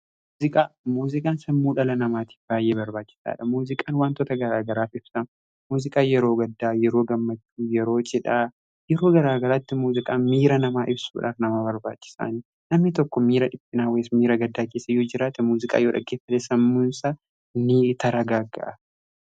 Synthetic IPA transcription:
muːzɪkʼaːmuːzɪkʼaːnsɐmːuːᶑɐlɐnɐmaːt̪i̥ːfbaːjːeːbɐɾbaːt͡ʃːɪ̥sa̰ːᶑɐmuːzɪkʼaːnwaːnt̪oːt̪ɐɡɐɾaːɡɐɾaːfɪb̥sɐn | muːzɪkʼaːjɛɾo̞ːɡɐd̪ːaːjɛɾo̞ːɡɐmːɐt͡ʃːuːjɛɾo̞ːt͡ʃʼɪᶑaː | jɛɾo̞ːɡɐɾaːɡɐɾaːt̪ːɪmuːzɪkʼaːnmiːɾɐnɐmaːʔɪbsṵːᶑa̰ːfnɐmabɐɾbaːt͡ʃːɪ̥sa̰ːni | nɐmnɪt̪ɔkːɔmiːɾɐᶑɪpʼːɪnaːweːsmiːɾɐɡɐd̪ːaːkeːsːɐjoːd͡ʒɪɾaːt̪ɛmuːzɪkʼa̰ːjoːᶑɐ̰ɡeːfːɐt̪ɛsɐmːuːnsa | nɪt̪ɐɾɐɡaːɡɐ̰ʔɐ

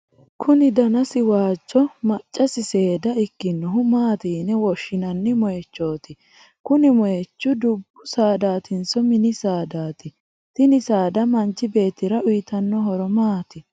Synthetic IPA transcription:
kʰʊnɪd̪ɐnɐsɪwaːt͡ʃːɔmɐt͡ʃʼːɐsɪseːd̪ɐɪkːɪnːɔɦʊmaːt̪iːnɛwɔʃːɪnɐnːɪmɔjɛt͡ʃːo̞ːt̪ɪ | kʊnɪmɔjɛt͡ʃːʊd̪ʊbːʊsaːd̪aːt̪ʰɪnsɔmɪnɪsaːd̪aːt̪ɪ | t̪ɪnɪsaːd̪ɐmɐnt͡ʃːɪbe̞ːt̪ːɪɾɐʔʊjɪt̪ɐnːɔɦɔɾɔmaːt̪ɪ

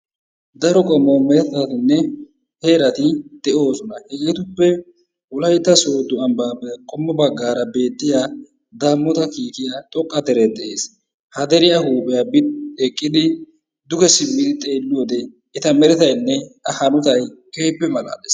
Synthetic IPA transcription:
d̪ɐɾɔkʼɔmːomɛɾɛt̪ɐt̪ɪnːɛ | heːɾɐt̪ɪd̪̥ɛʔo̞ːsɔnɐhɛɡet̪ʊpːɛ | wʊlɐjt̪ːɐsoːd̪ʊɐmbaːpːɛkʼɔmːɔbɐɡːaːɾɐbe̞ːt̪ːɪja | d̪aːmːɔt̪ɐkiːkɪjat̪ʼɔkʼːɐd̪ɛɾɛd̪ɛʔeːs | hɐd̪ɛɾɪjahuːbɛjaːbɪt̪ekʼːɪd̪ɪ | d̪ʊkɛsɪmɪt̪ɪt̪ʼeːlːʊwɔd̪ɛ | ɛt̪ɐmɛɾɛt̪ɐjnːɛtɐhɐnʊt̪ɐjkeːpːɛmɐla̰ːd̪es

